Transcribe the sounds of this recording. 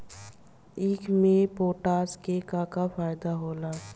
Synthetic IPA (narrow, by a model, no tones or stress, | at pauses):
ɪːkʰmẽpoːʈaːskekakafaːɪd̪aɦoːlaː